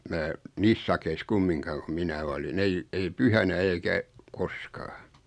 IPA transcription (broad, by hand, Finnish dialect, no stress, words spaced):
mæː niːs sɑkeis kumːiŋkɑːn̆ ku minæ olin ei ei pyhænæ eikæ koskɑː